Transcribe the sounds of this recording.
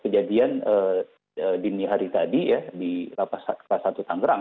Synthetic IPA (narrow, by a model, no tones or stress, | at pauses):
kəd͡ʒadianə | əːdiniɦaɾit̪adijadilapasaasat̪ut̪aŋɡəɾaŋ